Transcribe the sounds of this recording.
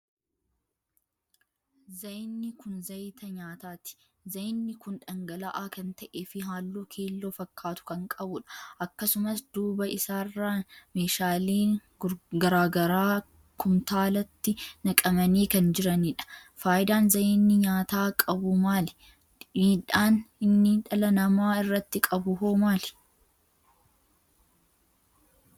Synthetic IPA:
zɐjnːɪkʊnzɐjt̪ɐɲaːt̪aːt̪ɪ̥ | zɐjɪnːɪkʊnᶑɐŋɡɐlɐʔaːkɐnt̪ɐʔeːfɪɦaːlːoːkʰe̞ːlːo̞ːfɐkʰːaːt̪ʊ̥kɐŋkʼɐbʊᶑɐ̥ʔɐkːɐsʊmɐsd̪̥uːbɐʔɪsaːrːaːme̞ːʃaːleː | ɡɐɾaːɡɐɾaː | kʊmt̪aːlɐt̪ːɪnɐkʼɐmɐniːkɐnd͡ʒɪɾɐniᶑɐ̥faːjɪd̪aːnzɐjenːɪɲaːt̪aːkʼɐbʊmaːlɛ̥ | niːᶑaːnɪnːɪᶑɐlɐnɐmaːɪrːɐt̪ːɪkʼɐbʊɦoːmaːl

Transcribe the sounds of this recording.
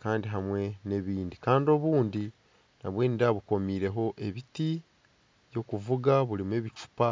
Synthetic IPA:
kaːndiɦamwe̞ne̞βiːndikaːndio̞βuːndi | na̰βwe̞ːnidaβuko̞miːɾe̞ɦo̞ʔe̞βiti | jo̞kuvuɡaβulimue̞ːβit͡ʃu̥pa

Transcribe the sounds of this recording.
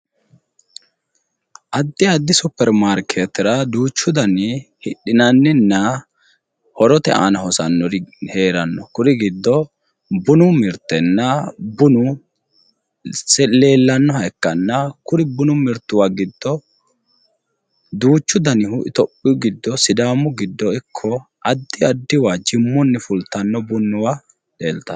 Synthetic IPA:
ʔɐd̪ːɪɐd̪ːɪsʊpːɛɾmaːɾkʰeːt̪ɪɾɐd̪uːt͡ʃːʊd̪ɐnɪhɪɗɪnɐnːɪnːɐ | hɔɾɔt̪ɛ̰ʔa̰ːnɐhɔsɐnːɔɾhe̞ːɾɐnːɔkʊɾɪɡɪd̪ːɔ | bʊnʊmɪɾt̪ːɛnːɐbʊnʊ | sɛle̞ːlːɐnːɔhɐjkːɐnːɐkʊɾɪbʊnʊmɪɾt̪ːʊwaɡɪd̪ːɔ | d̪uːt͡ʃːʊd̪ɐnɪhʊʔɪt̪ɔpʼːɪɡɪd̪ːɔsɪd̪aːmʊɡɪd̪ːɔɪkʰːɔ | ʔɐd̪ːɪɐd̪ːɪwad͡ʒɪmːɔnːɛfʊlt̪ɐnːɔbʊnːʊwa | leːlt̪ɐ

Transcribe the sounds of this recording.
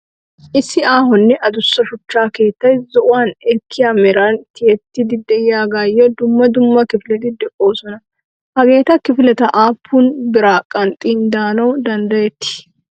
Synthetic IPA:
ʔɪsːɪaːɦɔnːɛʔɐd̪ʊsːɐʃʊt͡ʃːaːke̞ːt̪ːɐjzɔʔʊwaːnɛkʰːɪjaːmɛɾant̪ɪjɛt̪ːɪd̪ɪd̪ːɛjjaːɡaːjːɔd̪ʊmːɐd̪ʊmːɐkɪfɪlɛt̪ɪd̪ɛkʼo̞ːsɔnɐ | hɐɡe̞ːt̪ɐkɪfɪlɛt̪ɐʔaːpʰːuːnbɪɾaːkʼːɐnt̪ʼiːnd̪aːnɐwd̪ɐnd̪ɐjɛt̪ːɪ̥

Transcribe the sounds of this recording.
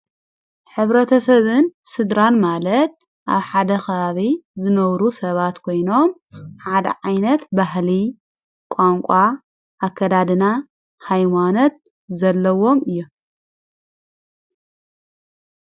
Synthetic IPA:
ħɨβɾɐt̪ʰɐsɐβɨnsɨd̪ɾanmalɐt̪̚ | ʔa̰βħad̪ɐxɐβaβizɨnɐβɾusɐβat̪kʰo̞jno̞m | ħad̪ɐ̰ʕajnɐt̪baɦli | kʷʼaŋkʷʼa | ʔːkʰːɐd̪ad̪ɨna | hajmanot̪̚ | zɐlːɐwo̞mɨjːu

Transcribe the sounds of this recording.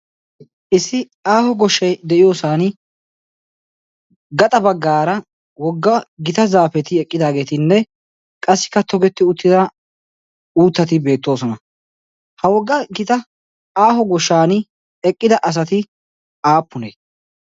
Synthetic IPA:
ʔɪsːɪ | aːhɔɡɔʃːɐjd̪ɛʔɪjo̞ːsaːn | ɡɐt̪ʼɐbɐɡːaːɾɐ | wɔɡːɐɡɪt̪ɐzaːfɛt̪ɪɛkʼːɪd̪aːɡe̞ːt̪ɪnːɛ | kʼɐsːɪ̥kːɐt̪ʰɔɡɛt̪ːɪʊt̪ːɪd̪ɐ | uːt̪ːɐt̪ɪbe̞ːt̪ːo̞ːsɔnɐ | hɐwɔɡːɐɡɪt̪ɐ | aːɦɔɡɔʃːaːn | ɛkʼːɪd̪ɐʔɐs̬ɐt̪ɪ | aːpːʊneː

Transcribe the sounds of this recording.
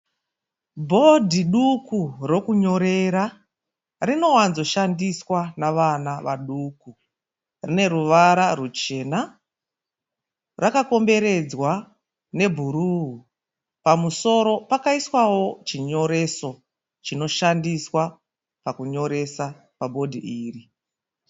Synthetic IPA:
bʱo̞dʱiɗukuro̞kuɲo̞ɾe̞ɾa | rino̞wanzo̞ʃandiswanaʋanaʋaɗuku | rine̞ɾuʋaɾarut͡ʃe̞na | rakako̞mbe̞ɾe̞d͡zwa | ne̞bʱuɾuɦu | pamuso̞ɾo̞pakaiswawo̞t͡ʃiɲo̞ɾe̞so̞ | t͡ʃino̞ʃandiswa | pakuɲo̞ɾe̞sa | pabʱo̞dʱḭʔiːri

